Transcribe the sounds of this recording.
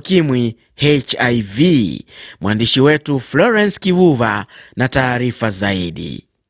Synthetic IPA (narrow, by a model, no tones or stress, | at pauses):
kimwi | hɛt͡ʃajvimwandiʃiwɛtuflɔɾɛnskivuvanataːɾifazaiɗḭ